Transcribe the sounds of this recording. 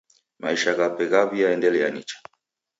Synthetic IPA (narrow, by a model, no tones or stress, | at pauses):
ma̰iʃaɣapɛɣaβiaɛndɛlɛjaɲit͡ʃḁ